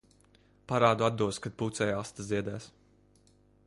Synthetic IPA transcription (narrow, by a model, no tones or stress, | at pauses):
paɾaːd̪uad̪ːuɔskad̪̚put̪sɛːjast̪aziɛd̪æːs